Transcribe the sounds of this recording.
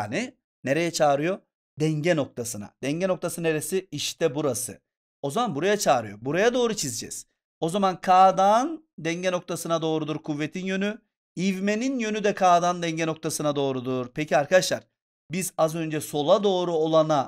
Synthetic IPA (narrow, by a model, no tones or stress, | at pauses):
ni | neɾe̞jɛt͡ʃʰaːɾɯjo̞ | d̪ɛɲɟɛno̞k̚t̪ʰasɯna̰d̪̥ɛɲɟɛno̞k̚t̪ʰasɯneɾesiiʃt̪ʰɛbuɾasɯ̰ | o̞zamanbuɾajat͡ʃʰaːɾɯjo̞̰buɾajad̪o̞ːɾut͡ʃʰizd͡ʒɛ̰z̥ | o̞zamankʰaːd̪an | d̪ɛɲɟɛno̞k̚t̪ʰasɯnad̪o̞ːɾud̪uɾkʰuvːet̪ʰinjøny | ivmeninjø̞nyd̪ɛkʰaːd̪and̪ɛɲɟɛnok̚t̪ʰasɯnad̪o̞ːɾud̪uɾpʰɛcʰiaɾkʰad̪aʃlˠa̰ɾ̥ | bizazø̞nd͡ʒɛso̞lˠad̪o̞ːɾuolˠana